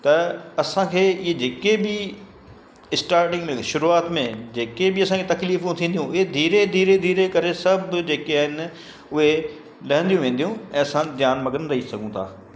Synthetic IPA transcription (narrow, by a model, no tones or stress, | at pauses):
t̪ɐɐsãkʰeːɪɦed͡ʑeːkebɪ | ɪsʈaːɾʈɪ̃ŋɡmẽʃʊɾuaːt̪mẽd͡ʑeːkebɪɐsãkʰet̪ɐkliːfjũt̪ʰĩːnd̪ijũɪɦed̪ʱiːɾed̪ʱiːɾed̪ʱiːɾekɐɾesɐbʱd͡ʑeːkiaːɦɪnɪ | ʊɦe | lɐɦə̃nd̪ijũʋẽːnd̪jũɛ̃ːɐsãd̪jaːnmɐɡənɾɐɦisɐɡʱũt̪ʰa̰ː